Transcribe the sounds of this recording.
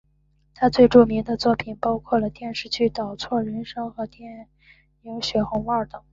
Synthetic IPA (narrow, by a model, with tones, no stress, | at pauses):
t̪ʰa˥t͡swe˥˧ɪʈ͡ʂu˥˩mi˧˥ŋd̪ə˧t͡swɔ˥˩pʰi˨˩npɑ˥ʊkʰwɔ˥˩lə˩t̪jɛ˥˧nʂɻ̩˥˧t͡ɕʰy˥˩t̪ɑ˨˩ʊt͡sʰwɔ˥˩ɻə˧˥nʂɤ˥ŋxɤ˧˥t̪jɛ˥˩ | ji˧˥ŋɕɥɛ˧˥˩xʊ˧˥ŋə˞˥˩t̪ɤ˨˩˦ŋ